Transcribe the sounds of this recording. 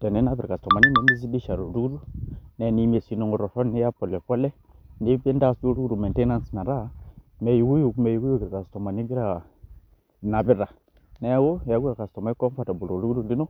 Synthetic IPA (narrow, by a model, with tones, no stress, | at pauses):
te˨ne˨˦na˦bi˨ɾka˨sto˨ma˨ni˦ne˨˦ni˦z̬i˦di˦ʃa˨ɾo˨ɾu˦ɡu˦ɾu˦ne˨˦ni˦m˦e˨si˨no˨ŋo˨ɾo˨fo˦ni˦ja˦po˨le˨ko˦le˦ | ni˦be˦n˦da˦˨stu˦ɾu˦ɡu˦ɾu˨me˨nte˦na˦n˨si̥˨na˨ɾa˦me˨ju˨ɡu˦ju˨kme˨ju˨ɡu˦jo˦ɡi˨ɾka˨sto˨ma˨ni˦ɡi˦ɾa˨ | na˨bi˦ɾa˨ | ne˨˦wo˦ja˨˦ɡu˦a˨ka˨sto˨ma˨˦i˦ko˦m˦fa˦˨ta˨bu˨lo˨ɾu˦u˦ɾu˦˨li˦no˦